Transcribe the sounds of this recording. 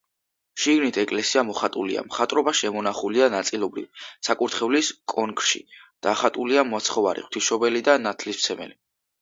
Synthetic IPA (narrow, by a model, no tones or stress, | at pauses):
ʃiɡnit̪ʰɛkʼlɛsiamɔχat̪ʼulḭa̰mχat̪ʼɾɔbaʃɛmɔnaχulianat̪sʼilˠɔbɾḭvsʰakʼuɾt̪ʰχɛvliskʼɔŋkʼʃḭd̪̥aχat̪ʼuliamuat̪sʰχɔvaɾḭχwt̪ʰiʃɔbɛlid̪anat̪ʰlismt̪sʰɛmɛ̰li